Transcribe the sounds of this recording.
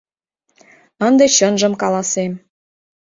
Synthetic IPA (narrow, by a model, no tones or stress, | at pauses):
ənd̪et͡ɕənʒə̆mkɑlɑsem